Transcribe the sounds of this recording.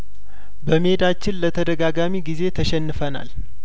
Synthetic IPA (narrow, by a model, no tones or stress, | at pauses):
bəmed̪at͡ʃːɪnlət̪ʰəd̪əɡaɡamiɡize̞t̪ʰəʃɛnːɨfəna̰l